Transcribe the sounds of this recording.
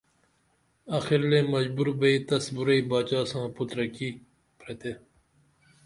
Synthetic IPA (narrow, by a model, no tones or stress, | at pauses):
ɐxiɾleːmɐd͡ʑbuɾbɐiːt̪ɐsbuɾɐiːbaːt͡ɕaːsãːput̪ɾɐkiː | pɾet̪eː